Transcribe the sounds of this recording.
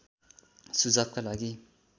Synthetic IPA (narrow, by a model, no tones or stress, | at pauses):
sud͡zab̚kalaɡi